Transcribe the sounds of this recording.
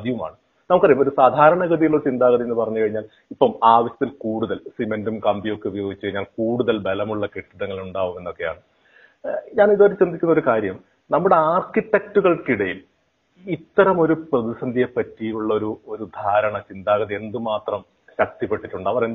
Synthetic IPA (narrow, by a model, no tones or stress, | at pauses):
ɐd̪iʋuma̰ːɳɨ | nɐmukːɐrɐjɐmo̞ɾusaːd̪ʱaːɾɐɳɐɣɐðijiɭːoɾut͡ɕind̪aːɣɐðie̞nːɨpɐrɐɲːukɐɻiɲːaːl | ipːɐmaːʋɐɕjɐt̪ːilkuːɽuðɐlsimendumkɐmbijo̞kːeuʋijo̞ːɡit͡ɕːukɐɻiɲːaːlkuːɽuðɐlbelɐmuɭːɐkiʈːɐðɐŋːɐɭuɳɖaːʋume̞nːo̞kːe̞ja̰ːɳɨ | ɲaːniðoɾt͡ɕrɐnd̪ikʲːunːoɾukaːɾjɐm | nɐmːuɽe̞aːrkitːek̚tuɣɐɭkiɽɐjil | it̪ːɐɾɐmo̞ɾuprɐðisɐnd̪ʱijepːɐtːijiluɭːɐo̞ɾuo̞ɾud̪ʱaːɾɐɳɐt͡ɕind̪aːɣɐðie̞nd̪ɨmaːt̪rɐm | ɕɐk̚t̪ipːe̞ʈːitːuɳɖɐʋɐren